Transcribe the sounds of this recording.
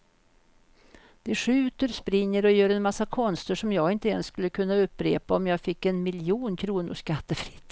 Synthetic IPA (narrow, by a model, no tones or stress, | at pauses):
d̪̥ɛɧʉ̟ːt̪əɾspɾɪŋːəɾɔjøːɾɛnmasːakʰɔnst̪ʰəʂɔmjɑːɡɪnt̪əɛnsskɵlːəkʰɵnːaɵpːɾeːpaɔmjɑːɡfɪkːɛnmɪljuːnkʰɾuːnʊ̰ʂkat̪ːəfɾɪ̥t̪ː